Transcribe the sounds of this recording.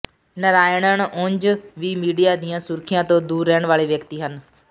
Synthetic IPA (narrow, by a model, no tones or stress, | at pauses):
nəɾaːjəɽ̃əɽ̃ʊ̃ɲd͡ʒʋiːmiːɖijaːd̪ijãsʊɾkʰijãːt̪õːd̪uːɾːɛːəɽ̃ʋaːɭeʋjəkt̪iːɦən